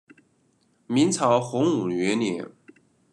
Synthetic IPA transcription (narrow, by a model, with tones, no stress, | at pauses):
mi˧˥nt͡sʰɑ˧˥ʊxʊ˧˥ŋu˨˩ɥɛ˧˥njɛ˧˥˦n